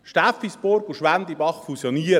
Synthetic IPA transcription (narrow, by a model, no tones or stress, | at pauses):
ʃtafisboɾkuʃʋænd̪ibɑχfusjoniːɾ